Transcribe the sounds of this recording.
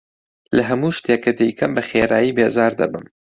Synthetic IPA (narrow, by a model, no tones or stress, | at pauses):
lɐɦɐmuːʃt̪eːkɐd̪ɛjkʰɐmbɐxeːɾa̰ːjiːbeːzaːɾd̪ɐ̰bɨm